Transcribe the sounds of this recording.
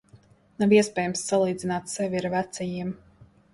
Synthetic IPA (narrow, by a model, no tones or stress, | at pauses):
naviɛspʲɛːjmsːalˠiːd̪zinaːt̪sɛvʲiɾvæt̪sʲɛjiɛm